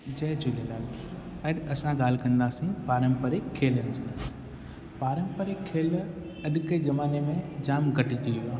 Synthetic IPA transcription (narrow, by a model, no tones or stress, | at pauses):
d͡ʑɐːd͡ʑolelaːl | ɐɗɐsãɠaːl̤kɐ̃nd̪aːsĩpaːɾə̃mpəɾekʰːeːlənɪ̆d͡ʑĩː | paːɾə̃mpəɾekʰːeːl | ɐɗkezɐmaːnemẽd͡ʑaːmɡʱɐʈit̪ʰijuaː